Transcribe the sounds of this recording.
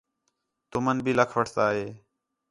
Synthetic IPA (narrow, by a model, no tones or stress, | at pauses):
t̪ʊmənbʱiːləkʰʋəʈʰt̪aːɦeː